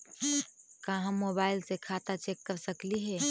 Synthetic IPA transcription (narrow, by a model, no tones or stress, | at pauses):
kãɦãmobaːɪlsekʰat̪at͡ʃekːəɾsəkliɦɛː